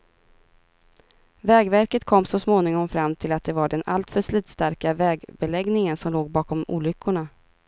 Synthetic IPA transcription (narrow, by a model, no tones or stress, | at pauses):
vɛːɡvæɾkət̪kʰɔmːsɔsmoːnɪŋɔmfɾamːt̪ʰɪlat̪̚d̪ɛvaɖɛnʔa̰lt̪fœʂliːt̪st̪aɾkavɛːɡbɛlɛɡnɪŋənsɔmloːɡbɑːkɔmṵːlʏkʰːʊɳa